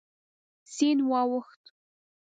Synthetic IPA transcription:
sinwɑwəxt̪

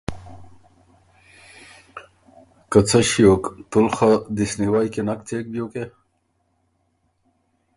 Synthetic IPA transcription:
kət͡sʰaɕijokt̪ulxad̪isniwaːjkenak̚t̪ʰeːk̚bjoːke

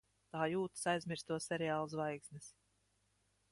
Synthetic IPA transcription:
t̪aːjuːt̪ḁsajzmʲiɾst̪uɔsːʲɛɾɛaːlˠusvajksnʲis

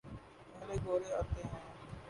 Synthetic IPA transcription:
pɛleɡoːɾeɔɾt̪eɦɛ̃ː

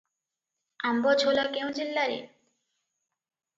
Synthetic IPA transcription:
ambɔd͡ʑʱolakew̃d͡ʑelːaɾḛ

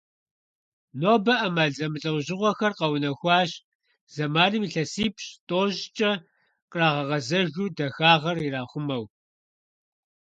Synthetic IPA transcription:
noːbɐʔɐmaːɮɐmɨɬʼɐwʷʑɪʁʷɔxɐrqɐwnɐxʷɑːɕ | z̥ɐmaːnɨmiːɬɐsiːpɕtʼoːʑt͡ʃʼɐ | qraːʁɐʁɐzɐʒuːdɐxaːʁɐriraːχʷʊmɐw

